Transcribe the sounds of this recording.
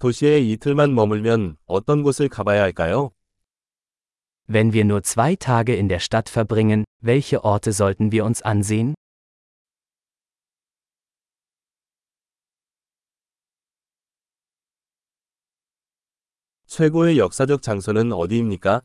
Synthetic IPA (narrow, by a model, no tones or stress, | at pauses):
toɕʰieitʰɯɭmanmʌmuɭmjʌnʌt͈ʌnɡosʰɯɭkabajaɦaɭk͈ajo | vɛnviːɐnuːɐt͡sv̥aɪtʰaːɡəɪndeːɐʃtatfɛɐbʁɪŋənvɛlçəʔɔɐtʰəzɔltn̩viːɐʊnsʔa̰nzeːən | t͡ɕʰweɡoejʌk̚s͈ad͡ʑʌk̚t͡ɕaŋsʰonɯnʌ̰diːmɲik͈a